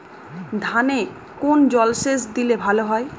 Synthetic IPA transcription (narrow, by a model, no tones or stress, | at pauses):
d̪ʱane | kond͡ʑɔlʃesd̪ilebʱaloɦɔe